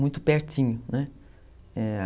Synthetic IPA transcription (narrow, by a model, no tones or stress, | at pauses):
ũj̃t̪ʊpeɾt͡ʃĩɲʊnɛ | ɛa